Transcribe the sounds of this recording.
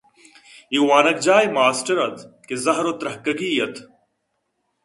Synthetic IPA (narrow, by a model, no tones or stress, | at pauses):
iwaːnɐk̚d͡ʒaːjmaːsʈɐɾɐt̪ʰkezɐɦɾot̪ɾɐhkɐɡiːjɐt̪ʰ